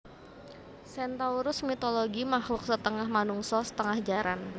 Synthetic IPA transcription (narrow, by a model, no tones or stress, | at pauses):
sɛnt̪auɾʊsmit̪oloɡimahlʊk̚sət̪əŋahmanuŋsɔsə̥t̪əŋahd͡ʒaɾan